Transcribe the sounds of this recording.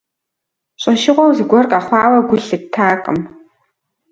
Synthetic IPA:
ɕʼɐʃɪʁʷɔwzɨɡʷɔrkʼaχʷɑːwɐɡʷʊɬɨk̚tʰaːqʼə̰m

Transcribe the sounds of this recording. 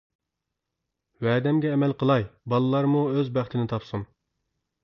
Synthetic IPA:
wɛːd̪ɛmɡʲɛːmɛlqʰəlˠɑjbɑlˠɨlˠɑɾmuøzbæχt̪ʰɪnɪt̪ʰɑpsum

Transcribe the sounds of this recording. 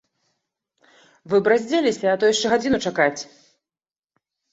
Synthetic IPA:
vɨbɾazʲd͡zʲelʲisʲɐat̪ɔjaʂt͡ʂɛɣad͡zʲinut͡ʂakat͡sʲ

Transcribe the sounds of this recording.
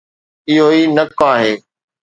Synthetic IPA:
ɪɦoːiːnəkaːɦeː

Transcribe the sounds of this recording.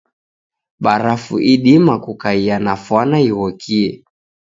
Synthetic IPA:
ɓaɾafuʔiɗimakukaianafwanaiɣɔkʰiɛ

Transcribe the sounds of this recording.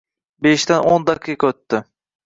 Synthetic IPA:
beʃt̪anʔond̪ɑqʰːikɵt̪ːɪ

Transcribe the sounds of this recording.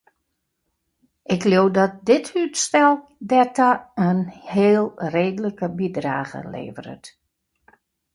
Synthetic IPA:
ʔɪkljowdɔt̚dɪthytstɛlˠdɛtaənheːlˠreːdələkəbidra̰ːɣə̰lḛːvəɾə̰t

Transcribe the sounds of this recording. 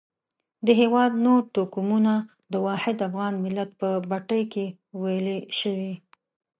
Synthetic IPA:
d̪əɦewɑd̪noɾʈokumuna | d̪əwɑhɪd̪afɣɑnmɪlat̪̚pəbaʈəjke | wajleʃəwi

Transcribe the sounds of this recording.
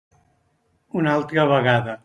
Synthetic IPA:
unalˠt̪ɾəβəɣaðə

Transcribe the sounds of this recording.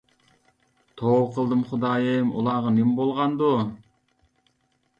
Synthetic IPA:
t̪ʰoqʰəlˠd̪ɨmχʊd̪ɑːjemṵlˠɑːʁɑnɪmbolˠʁɑnd̪u

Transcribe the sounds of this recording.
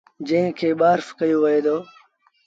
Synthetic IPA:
d͡ʒə̃ɦɪ̃kʰeːɓaːɾfkəjoːʋəɦeːd̪oː

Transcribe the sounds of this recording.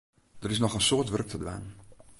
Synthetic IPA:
d̥ərɪs̬nɔxənsoːtʋørk̚tʰədʋa̰ːn

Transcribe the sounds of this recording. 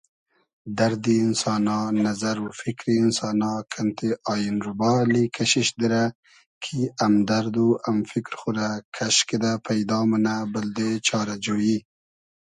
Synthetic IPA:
d̪aɾd̪iːnsɑnɑnazaɾufɪkɾinsɑːnɑkʰant̪eʔɑːjɪnɾʊbɑlikʰaʃiʃd̪iɾa | kʰiamd̪aɾd̪uamfɪkɾxuɾakʰaʃked̪apʰajd̪ɑmanabɪld̪et͡ʃʰɑɾad͡ʒoɽji

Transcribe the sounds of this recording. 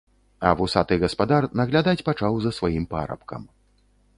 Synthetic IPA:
ɐvusat̪ɨɣɐspad̪arnɐɣlʲad̪at͡sʲpat͡ʂawzɐsvajimpa̰ɾɐ̰pkɐ̰m

